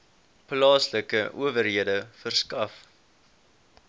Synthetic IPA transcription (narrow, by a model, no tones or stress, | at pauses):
plɑːsləkəʔuəvərɦiədəfərskɐf